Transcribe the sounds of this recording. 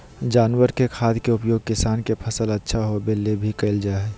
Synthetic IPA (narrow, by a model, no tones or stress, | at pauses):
d͡ʒaːnwəɾkekʰaːd̪ʱkeʊpjoːɡ̚kɪsaːnkepʰɐsəlɐtːʃʰaɦobelːebʱikɐɪld͡ʒaːɦɛː